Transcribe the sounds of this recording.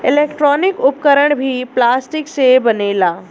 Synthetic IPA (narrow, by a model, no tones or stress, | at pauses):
ɪleːkʈɾɔːnɪkʊpkəɾəɽ̃bʱiplaːsʈɪksebɐneːlaː